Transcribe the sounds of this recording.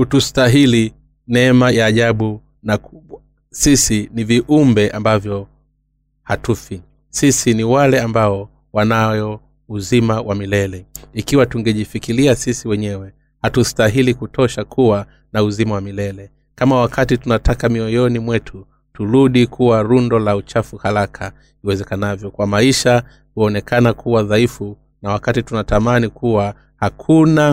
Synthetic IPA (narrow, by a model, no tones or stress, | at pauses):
hutustaɦili | nɛɛmajaːʄaɓu | nakua | sisiniviʔumbɛʔambavjɔ | hatufi | sisiniwalɛambaɔ | wanajɔ | uzimawʔamilɛlɛikiwatuŋɡɛʄifikiliasisiwɛɲɛwɛ | hatustaɦilikutɔʃakʰuwa | nauzimawamilɛlɛ | kamawakʰatitunatʰakamiɔjɔnimwɛtʰu | tuɾuɗikʰuwaɾundɔlaut͡ʃafuhaɾakʰa | iwɛzɛkanavjɔkwamaiʃa | huɔnɛkʰanakʰuwaðaifu | nawakatitunatamanikuwa | hakʰuna